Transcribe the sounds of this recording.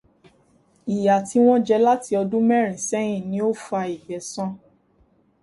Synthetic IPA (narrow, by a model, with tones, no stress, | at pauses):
i˨ja˨ti˧w̃ɔ̃˦d͡ʒɛ˧la˦ti˧ɔ˧dũ˦mɛ˦˨ɾ̃ĩ˨sɛ˦j̃ĩ˦˨nĩ˨˦o˦fu˦a˧i˨bɛ˨˦sɔ̃˦